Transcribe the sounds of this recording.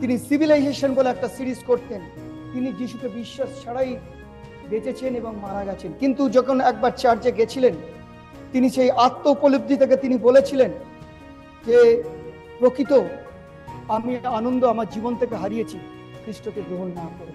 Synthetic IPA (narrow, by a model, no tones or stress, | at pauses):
t̪inisibʱilajd͡ʑeʃonboleɛk̚ʈasiɾiskoɾt̪ent̪inid͡ʑiʃukebiʃːaʃʃaɽaj | bet͡ɕet͡ɕʰeneboŋmaɾaɡɛt͡ɕʰenkint̪ud͡ʑɔkʰonɛk̚baɾt͡ɕaɾd͡ʑeɡet͡ɕʰilen | t̪iniʃejʔat̪ːoupolub̚d̪ʱit̪ʰek̬et̪inibolet͡ɕʰilen | d͡ʑe | pɾokit̪o | amianond̪oamaɾd͡ʑibont̪ʰekeɦaɾijet͡ɕʰi | kɾiʃʈot̪eɡɾoɦonːakoɾen